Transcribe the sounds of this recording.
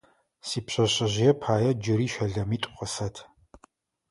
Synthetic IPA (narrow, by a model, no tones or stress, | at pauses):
siːpɕʷɐɕɐʑɪjɛpʰaːjɐd͡ʒɪɾiːʃʷɐɮɐmiːtʷʼqʼəsɐtʰ